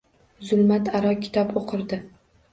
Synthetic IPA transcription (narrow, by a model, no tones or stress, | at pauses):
zʊlˠmat̪ʰaɾɒkʲʰɪ̥t̪ʰɒpoqʰɨɾd̪ɪ